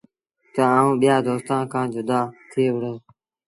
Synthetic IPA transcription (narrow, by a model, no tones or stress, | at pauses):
t̪əãːũːɓɪjaːd̪oːst̪ãːnkʰãːd͡ʒʊd̪aːt̪ʰeːʋɽəː